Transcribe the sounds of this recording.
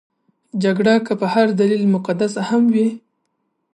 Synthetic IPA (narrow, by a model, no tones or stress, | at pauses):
d͡ʒaɡɽakəpəhaɾd̪alilmʊqad̪as̬ahamwi